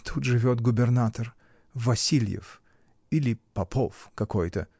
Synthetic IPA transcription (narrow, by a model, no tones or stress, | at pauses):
t̪ʰut̪ʐɨvʲot̪ɡʊbʲɪrnat̪ər | vɐsʲilʲjɪ̰f | ilʲɪpɐpʰofkɐkojt̪ə